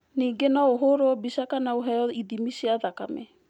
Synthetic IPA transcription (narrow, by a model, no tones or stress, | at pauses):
niːɡenɔoɦoɾoɔbisakanaoɦɛjɔiðimisiaðakamɛ